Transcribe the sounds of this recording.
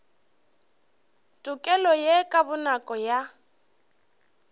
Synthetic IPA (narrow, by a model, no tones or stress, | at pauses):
tʼʊkʼɛlɔjekʼabʊnakʼɔja